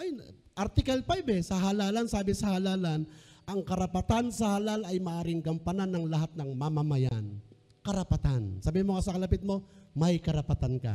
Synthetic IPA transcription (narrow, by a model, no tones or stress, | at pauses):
ʔaj̪ | ʔɐɾt̪ɪkɐlpajbɛsɐɦalaːlɐnsaːbɪsɐhalaːlanʔɐŋkɐɾɐpat̪ansɐhalalɐjmɐʔaːɾɪŋɡɐmpananːɐŋlɐɦat̪̚nɐŋmɐmɐmɐjan | kɐɾɐpat̪ansaːbihimokɐsɐkɐlɐp̬ɪt̪̚mo̞mɐjkɐɾɐpɐt̪ankɐ̰